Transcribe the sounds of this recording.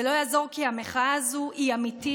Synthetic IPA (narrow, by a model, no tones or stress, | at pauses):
elo̞jaːzo̞ʁkiameχaːzuʔiamit̪i